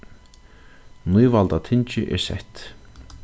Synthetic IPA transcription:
nujvalt̪at̪ʰɪnt͡ʃɪʔɛ̰sɛ̰ht̪

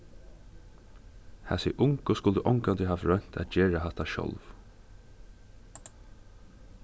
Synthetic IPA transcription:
hæ̰sɪʔʊŋkɔskʊld̪əʔɔŋkand̪ɪɦɑːʋɹœn̥t̪ʰæ̰t̪̚d͡ʒeːɹaɦat̪aʃɔ̰lʋ

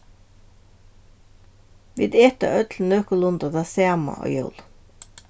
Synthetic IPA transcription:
ʋḭːd̪eːt̪ə̰ʔœd̪ʰl̩n̩øːkʊlʊnd̪ɑd̪ɑːseɑmɑ̰ʔo̰ːjœʊl

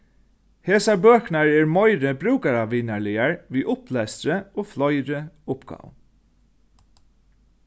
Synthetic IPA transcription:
heːsaɹbøːknaɹɛːɹmɔɪɾəbɾʉːkaɾaʋiːnaɹɭɪaɹʋiːʔʊplɛːsɾəoːflɔʏɾəʊpɡ̥ɑ̰w

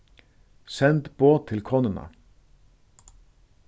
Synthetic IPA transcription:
sɛnt̪b̥oːt̪ʰɪlkʰɔnənə̰

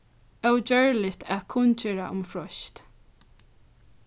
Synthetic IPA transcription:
œwt͡ʃœɹlɪt̪ʰæːðkʰʊnt͡ʃɛɹa̰ʔʊ̰mfɹɔʃt̪

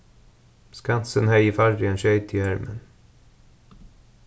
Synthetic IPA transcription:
skansənhæjəfaɾɾɪənɕœjt̪ʰɪæɾmə̰n

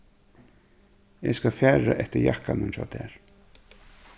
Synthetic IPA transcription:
ɛskafjæːɹaʔɛht̪əɾjahkanʊnt͡ʃa̰t̪ʰɛːɹ̥

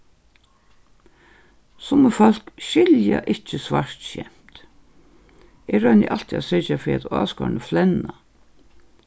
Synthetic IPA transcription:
sʊməfɔl̥kʃɪlja̰ʔɪht͡ʃəsʋaʂt̪ʃɛ̰m̥t̪ | ɛɾœʏnɪ̰ʔalt̪ʰiasɪt͡ʃafɪɾat̪a̰ːskɔ̰ɾnəflɛnːa

